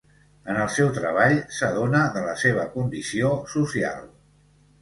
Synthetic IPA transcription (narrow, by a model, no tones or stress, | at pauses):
ənəlˠsɛwt̪ɾəβ̞aʎsəðonəðələseβ̞əkund̪isiosusia̰lˠ